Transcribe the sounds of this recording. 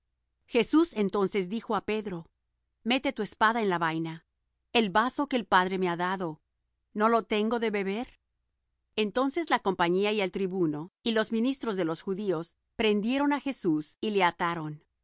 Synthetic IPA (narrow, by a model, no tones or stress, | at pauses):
xe̞suse̞nt̪o̞nse̞zd̪ixo̞ape̞ðɾo̞ | me̞t̪e̞t̪ue̞spaðaenlaβajna | e̞lβaso̞ke̞ːlpaðɾe̞meaðaðo̞ | no̞lo̞t̪e̞ŋɡo̞ðe̞βe̞βe̞ɾ | e̞nt̪o̞nse̞zlako̞mpaɲiaie̞lt̪ɾiβuno̞ilo̞zmĩnist̪ɾo̞zðe̞lo̞sxuðio̞s | pɾe̞nd̪je̞ɾo̞naxe̞susile̞at̪aɾo̞n